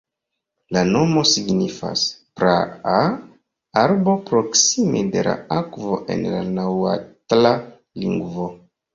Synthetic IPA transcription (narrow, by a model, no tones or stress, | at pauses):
lano̞mo̞siɡnifa̰spɾaa | aɾbo̞pɾo̞ksimede̞la̰akvo̞ʔe̞̰nlanawa̰tla | liŋɡvo̞